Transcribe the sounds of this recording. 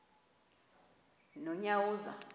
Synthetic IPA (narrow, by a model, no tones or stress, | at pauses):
nɔɲawuːza̰